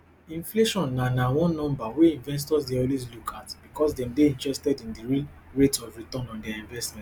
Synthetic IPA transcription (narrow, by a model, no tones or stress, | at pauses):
ĩnfleʃɔ̃nːanawɔ̃nːɔ̃mbaweĩɱvɛ̃ns̬tɔsdeɔlwes̬lukʰatb̥ikɔsdɛ̃mdeĩntɹɛstɛdĩndiɹil | ɹetɔvɹitɔ̃nɔ̃ndɛaĩɱvɛstmɛ̃